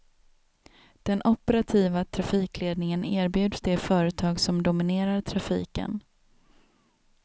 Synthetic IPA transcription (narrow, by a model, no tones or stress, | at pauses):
d̪̥ɛnʔʊpɛɾat̪ʰiːvat̪ʰɾafiːkleːd̪nɪŋəneːɾbjʉ̟ːd̪sd̪ɛfœːɾət̪ʰɑːɡsɔmd̪ʊmɪneːɾaɾt̪ʰɾafḭːkə̰n